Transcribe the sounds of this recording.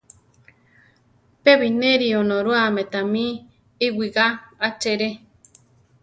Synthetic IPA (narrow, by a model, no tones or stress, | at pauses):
peβineɾionõɾuamẽt̪amĩ | iwiɡaat͡ʃeɾe